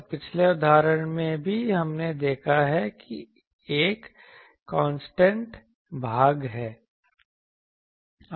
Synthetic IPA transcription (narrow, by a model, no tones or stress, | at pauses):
pɪt͡ʃʰleʊd̪aːɾəɽ̃mẽbʱiɦɐmned̪eːkʰaɦɛki | eːkː | ɔ̃ːnsʈẽɳʈ | bʱaːɡɦɛː